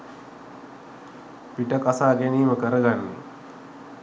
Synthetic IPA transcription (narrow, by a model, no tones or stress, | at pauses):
piʈəkasaːɡæniːməkəɾəɡanːḭ